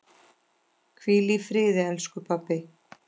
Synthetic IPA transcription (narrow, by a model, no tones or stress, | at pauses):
kʰviːlifɾɪːðɪɛlskʏpʰapːɪ